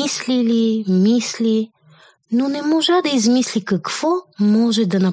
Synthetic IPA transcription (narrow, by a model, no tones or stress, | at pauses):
islilimislʲi | nonɛmɔʒad̪ɐizmislikɐkv̥ɔmɔʒɛd̪ɐnɐ